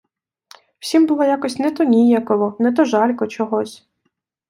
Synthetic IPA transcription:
w̥sʲimbʊlˠɔjakɔsʲnɛt̪ɔnʲijɐkɔʋɔnɛt̪̬ɔʒɑlʲkɔt͡ʃɔɦɔsʲ

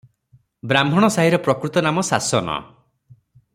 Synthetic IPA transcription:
bɾambʱɔɽ̃ɔsaɦiɾɔpɾɔkɾut̪ɔnamɔsasɔnɔ̰

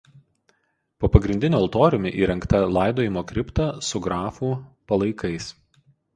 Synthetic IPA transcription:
poːpɐɡɾʲɪnʲd̪ʲɪnʲoɐlˠt̪oːɾʲʊmʲɪʔiːɾʲɛŋkt̪ɐlˠɑˑɪd̪oːjɪmoːkɾʲɪpt̪ɑsʊɡɾɑːfuːpɐlˠɐɪkɐɪs

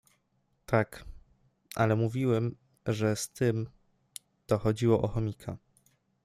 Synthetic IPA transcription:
t̪ak | ʔalɛmuvʲiwɛm | ʐɛst̪ɘm | t̪ɔxɔd͡ʑiwɔʔɔxɔmʲikʰa

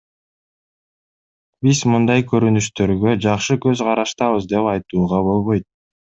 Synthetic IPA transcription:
bizmɯnd̪ɑjkøɾynyʃt̪ø̞ɾɡød͡ʒɑqʃɯkø̞zqɑɾɑʃt̪ɑβɯzd̪e̞pɑjt̪uːʁɑbo̞lˠβo̞jt̪̚

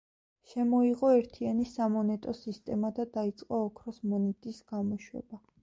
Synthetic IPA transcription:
ʃɛmɔiʁɔɛɾt̪ʰianisamɔnɛt̪ʼɔsist̪ʼɛmad̪ad̪ait̪sʼqʼɔːkʰɾɔsmɔnɛt̪ʼisɡ̥amɔʃwɛ̰b̥a

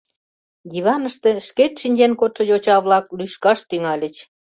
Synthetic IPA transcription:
jiβɑnəʃt̪ĕʃket̪ʃinʲd͡ʑenkot̪ʃɤ̆jot͡ɕɑβlɑklyʃkɑʃt̪yŋɑlʲə̆t͡ɕ

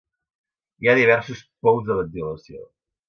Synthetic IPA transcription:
iaðiβɛɾsuspɔwzðələziləsio

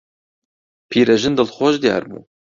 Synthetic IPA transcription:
pʰiːɾɛʒɨnd̪ɨlxoːʒd̪ijɑ̰ːɾbṵː

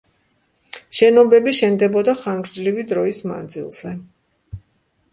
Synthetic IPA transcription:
ʃɛnɔbɛbiʃɛnd̪ɛbɔd̪aχaŋɡɾd̪zlivid̪ɾɔisma̰nd̪zḭlˠz̥ɛ

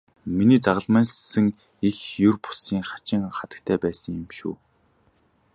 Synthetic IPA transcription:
miniːt͡saʁə̆ɮmæːnsə̆ŋ | ixjɵrpʊ̥siːŋχḁt͡ɕɪ̆ŋχat̪ə̥̆kt̪ʰæːpæːsə̆ŋjɪ̆mʃṵː

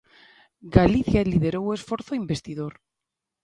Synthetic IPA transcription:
ɡaliθjalið̞eɾowe̞sfoɾθoimbest̪ið̞oɾ

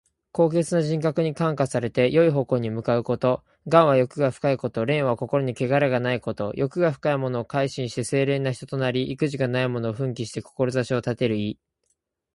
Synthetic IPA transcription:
ko̞ːɡe̞t͡sɨnaʑĩŋkakɯ̟ɲ̟ikãŋkasaɾe̞t̪e̞jo̞iɦo̞ko̞ːɲ̟imɯ̟kaɯ̟ko̞t̪o̞ | ɡãɰ̃βajo̞kɯ̟ɡaɸɯ̟̥kaiko̞t̪o̞ɾẽ̞ɰ̃βako̞ko̞ɾo̞ɲ̟ike̞ɡaɾeɡanaiko̞t̪o̞jʔo̞kɯ̟ɡaɸɯ̟̥kaimo̞no̞ːkaiɕĩɰ̃ɕi̥t̪e̞se̞ːɾe̞ːnːaçi̥t̪ot̪o̞naɾʲiʔikɯ̟ʑiɡanaimo̞no̞ːɸɯ̟̃ŋkʲiɕi̥t̪e̞ko̞ko̞ɾo̞zaɕio̞t̪at̪e̞ɾɯ̟i

